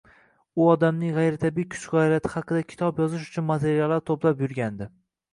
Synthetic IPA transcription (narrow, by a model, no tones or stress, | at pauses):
ʊɒd̪amnɪŋʁɑjɾɪt̪ʰabijkʰʊ̥t͡ʃqɒɪlat̪ʰɪhɑqɨd̪akʲʰɪ̥t̪ʰɒpjɒzɪʃ̬ʊ̥t͡ʃʰʊnmat̪ʰe̞ɾijalˠːaɾt̪ʰoplapjʊɾɡʲand̪ɪ